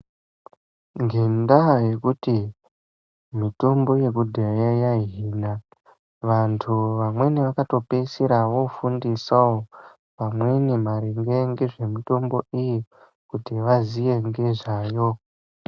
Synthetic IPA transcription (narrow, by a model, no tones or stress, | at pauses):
ŋɡendaje̞kuti | mito̞mbo̞je̞kudʱejajaɦiːna | ʋantʰuʋamwe̞niʋakato̞pesiɾaʋo̞fundisao | pamwe̞nimaɾiŋɡeŋɡeʐe̞mito̞mbo̞iji | kutiʋazije̞ŋɡe̞ʐaːjo